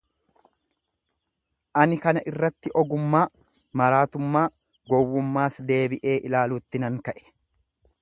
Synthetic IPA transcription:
ʔɐnɪkɐnɐʔɪrːɐt̪ːɪʔɔɡʊmːaː | mɐɾaːt̪ʊmːaː | ɡɔwːʊmːaːsd̪e̞ːbɪʔe̞ːʔɪlaːluːt̪ːɪnɐŋkɐʔɛ̥

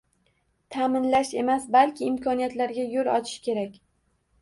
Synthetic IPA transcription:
t̪ʰamɪnlaʃe̞masbalkʲʰɪɪmkʰɒnijat̪laɾɡʲajolˠɒt͡ʃʰɪ̥ʃkʲe̞ɾakʲ

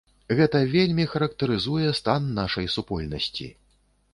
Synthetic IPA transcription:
ɣɛt̪ɐvʲelʲmʲixɐɾɐkt̪ɐɾɨzujɛst̪anːaʂɐjsupɔlʲnɐ̰sʲt͡sʲḭ

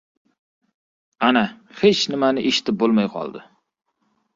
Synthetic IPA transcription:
anahet͡ʃnɪmanɪʔeʃɪ̥t̪ʰɪp̚bolˠmajqʰɒ̰lˠd̪ɪ

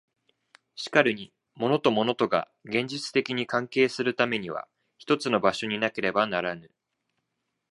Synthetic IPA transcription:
ɕi̥kaɾɯ̟ɲ̟i | mo̞no̞t̪o̞mo̞no̞t̪o̞ɡa̰ | ɡẽ̞ɲ̟d͡ʑit͡sɨ̥t̪e̞kʲiɲ̟ikãŋke̞ːsɨɾɯ̟t̪ame̞ɲ̟iβa̰ | çi̥t̪o̞t͡sɨno̞baɕo̞ɲ̟inake̞ɾe̞banaɾanɯ̟

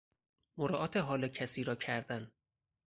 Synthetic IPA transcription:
moɾɒːʔɒːt̪ʰeɦɒːlecʰæsiːɾɒːcʰæɾd̪æn

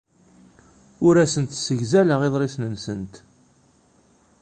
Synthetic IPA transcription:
ʊɾæsənt̪səʝzæləʁeðˤɾesnənsənt̪

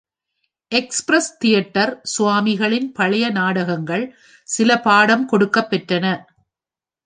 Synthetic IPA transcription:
ʔɛkspɾɐst̪ɪjɐʈːɐɾsʊʋaːmɪɣɐɭɪnpɐɭɐjɐnaːɽɐɣɐŋɡɐɭ | sɪlɐpaːɽɐmkɔɽɯkːɐpːɛʈrɐnɐ

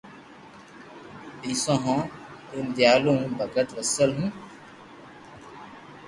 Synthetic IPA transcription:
isõːɦɔ̃ːɪnd̪jaːlõbʱəɡət̪ʋəsəlɦũː

